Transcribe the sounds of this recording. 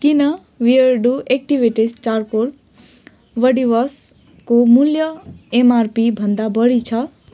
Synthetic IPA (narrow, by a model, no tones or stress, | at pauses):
kinʌ | wiʌɾɖuek̚ʈibʱiʈist͡ʃaɾkoɾ | ʋʌɖibʌs | komuljʌemarpibʱʌnd̪abʌɽit͡sʰʌ